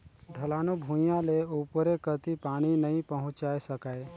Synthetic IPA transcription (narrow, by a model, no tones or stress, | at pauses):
ɖʱəlaːnubʱũjãleupɾekət̪ipaːɽ̃inəĩpəɦʊ̃t͡ʃaːesəkae